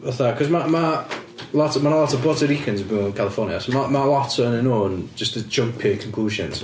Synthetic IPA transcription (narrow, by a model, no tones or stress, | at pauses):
əθakʰɔzmama | latəmanlatəbɔtəɹikʰə̃nzəbĩnɪ̃nkʰalˠɪfɔːnjəsomaməlatəə̃nɪnoə̃nd͡ʒʌstəd͡ʒʌ̃mpʰɪkʰə̃nkʰl̥uːʒə̃nz̥